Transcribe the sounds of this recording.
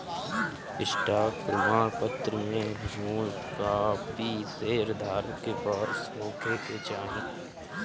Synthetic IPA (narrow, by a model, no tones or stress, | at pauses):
ɪʃʈʰaːkɾɪmaːpət̪ɾəmẽɦəd͡ʒmuːn | kapiːseːɾd̪ʱaːɾkepəɾsoːkʰeket͡ʃaːɦɪ̃